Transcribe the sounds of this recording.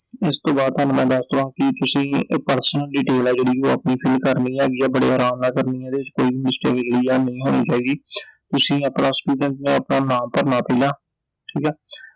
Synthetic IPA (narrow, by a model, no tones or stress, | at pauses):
ɪst̪õːbaːd̪̚ɦənːmɛ̃ːd̪əst̪õãːkɪt̪ʊsĩːpəɾsənəlɖɪʈeːlɛːd͡ʒeːɽiːoːə̰pniːpʰɪlkəɾniːaːɡiːɛːbəɽḛːaːɾaːmnaːkəɾniːɛ̃ːd̪eːɪt͡ʃkoːiːbimɪsʈḛːkd͡ʒeːɽiːɛːnəĩːɦoːnḭːt͡ʃaːiːɡiːt̪ʊsĩːəpnaːsʈuːɖəɳtnḛ̃ːəpnaːnaːmpəɾnaːpeːlaː | ʈʰiːkɛː